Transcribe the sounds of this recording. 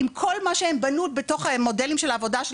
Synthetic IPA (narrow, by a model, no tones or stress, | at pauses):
imkʰo̞lmaʃeembanutbeto̞χamo̞delimʃe̞laːvo̞daʃ